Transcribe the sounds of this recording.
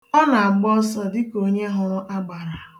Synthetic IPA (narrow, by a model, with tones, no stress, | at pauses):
ɔ˦na˨a˨ɡ͡bɔ˦sɔ˦dɪ˦ko˨ɲe˦ɦʊ˦ɾʊ˦ʔa˦ɡ͡ba˨ɾa˨